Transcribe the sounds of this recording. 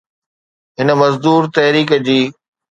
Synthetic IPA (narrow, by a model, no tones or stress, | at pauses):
ɦɪnə̆mɐzd̪uːɾt̪ɐɦɾiːkəd͡ʑiː